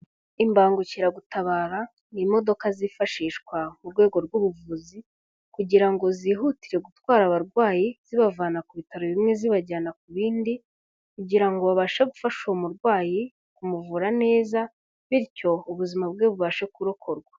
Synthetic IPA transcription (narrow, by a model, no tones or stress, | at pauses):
imbaːŋɡuciɾaɡutaβaːɾa | nimo̞do̞kazifaʃiːʃkwamuɾɡwe̞ːɡo̞ɾɡuβuvuːzi | kuɟiɾaŋɡo̞ziːɦutiɾe̞ɡutwaːɾaβaɾɡwaːjiz̥iβavaːnakuβitaɾoβimŋe̞ziβaɟaːnakuβiːndi | kuɟiɾaŋɡo̞βaβaʃeɡufaʃomuɾɡwaːji | kumuvuːɾane̞ːza | βiɾco̞uβuzimabɡeβuβaʃe̞kuɾokʰo̞ɾɡwḁ